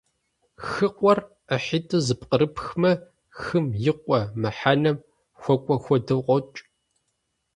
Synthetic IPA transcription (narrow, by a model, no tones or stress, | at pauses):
xɨqʷʼɔr | əħitʰʼɨzɨpqəɾɨpʰxmɐ | xɨmjɪqʷɔmɐħanɐm | xʷɔkʷʼɔxʷɔdɨqʷɔt͡ʃʼ